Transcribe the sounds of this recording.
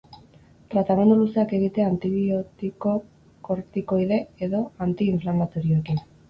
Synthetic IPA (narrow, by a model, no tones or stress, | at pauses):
t̪ɾat̪ame̞nd̪uluseake̞ɣ̞it̪e̞ant̪iβiot̪iko | ko̞ɾt̪iko̞jðe̞eðo̞ant̪iːɱflamat̪o̞ɾioekin